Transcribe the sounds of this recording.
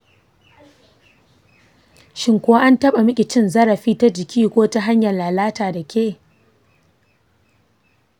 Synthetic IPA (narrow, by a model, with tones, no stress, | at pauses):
ʃɪ˦ŋkʷʊ˦wa˦ʔa˦ntɐ˦ɓa˨mɪ˦kʲʼɪ˨t͡ʃɪ˦nzɐ˦ɾɐ˨ɸiː˦ta˦d͡ʒɪ˨kʲʰiː˦kʷoː˦ta˦ɦa˦ɲjɐ˨nlaː˨laː˦taː˨da˨kʲʰeː˦˨